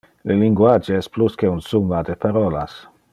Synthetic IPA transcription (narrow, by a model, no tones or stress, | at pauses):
leliŋɡwad͡ʒeɛspluskeunsumad̪epaɾɔla̰s